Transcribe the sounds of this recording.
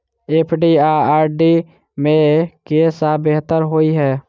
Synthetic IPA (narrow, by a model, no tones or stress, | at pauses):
eːpʰɖiaaːɾɖi | mẽkesabeɦt̪əɾɦoːiɦɛː